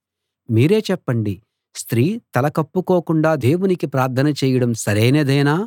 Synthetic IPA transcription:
miːɾe̞ːt͡ʃɛpːɐɳɖi | st̪ɾiːt̪ɐlɐkɐpːuko̞ːkuɳɖaːd̪e̞ːwunikipɾaːɾt̪ʰɐnɐt͡ʃeːjɐɽɐmsɐɾeːneːd̪ɐjnaː

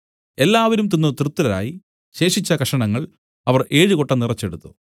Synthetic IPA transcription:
e̞lːaːʋɐɾumt̪inːut̪rut̪ːuɾɐɾa̰ːji | ɕe̞ːʂit͡ɕːɐkɐʂɐɳɐŋːɐɭ | ɐʋɐrʔe̞ːɻɨkoʈːɐnirɐt͡ɕːe̞ɽut̪ːu

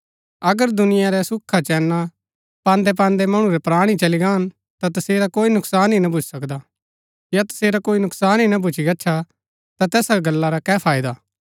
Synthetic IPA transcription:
ɐɡəɾd̪ʊnɪjaɾɛsʊkʰːat͡ʃɛːnːa | pãːnd̪ɛp̬ãːnd̪ɛmɐɽ̃ũɾɛpɾaːɽ̃it͡ʃɐliɡaːn | t̪at̪ɐseːɾakoːinʊksaːnɦinɐbʱʊt͡ʃsɐkd̪a | jat̪ɐ̥seːɾakoːinʊksaːnɦinabʱʊt͡ʃʰiɡɐːt͡ʃʰa | t̪at̪ɛːsɾɡɐlːaɾakɛːpʰaːɪd̪aː

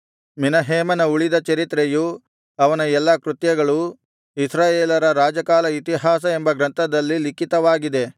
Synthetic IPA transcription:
minɐɦeːmɐnɐuɭid̪ɐt͡ʃɐɾit̪ɾeju | ɐʋɐnɐɛlːɐkɾut̪jɐɡɐɭu | isɾaːjeːlɐɾɐɾaːd͡ʒɐkaːlɐit̪iɦaːs̬ɐembɐɡɾɐnt̪ʰɐd̪ɐlːilikit̪ɐʋaːɡid̪e̞

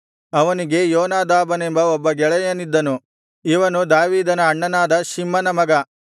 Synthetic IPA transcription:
ɐʋɐniɡe̞joːnaːd̪aːbɐne̞mbɐɔbːɐɡɛɭɐjɐnid̪ːɐnu | iʋɐnud̪aːʋiːd̪ɐnɐːɳːɐnaːd̪ɐʃimːɐnɐmɐɡɐ

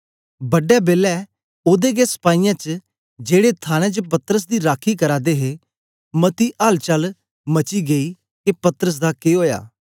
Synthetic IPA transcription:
bəɖɛːbeːlɛː | oːd̪eːɡɛːsə̥paːijãːt͡ʃə | d͡ʒeːɽeːt̪ʰaːñɛ̃ːt͡ʃəpət̪əɾəs̬d̪iːɾaːkʰːiːkəɾaːd̪eːɦeː | mət̪iːʔaːlt͡ʃəl | mət͡ʃiːɡəiː | kepət̪əɾəs̬d̪aːkeːɦoːja̰ː

